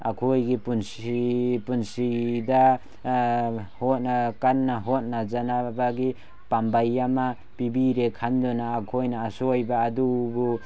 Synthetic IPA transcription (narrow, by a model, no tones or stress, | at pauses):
a̰kʰojɡipunsipunsida | hɔt̚akanːaɦɔt̚nazanabaɡi | pambajːama | pibiɾekʰandɔnaːkʰojnaːsɔjbaːdubu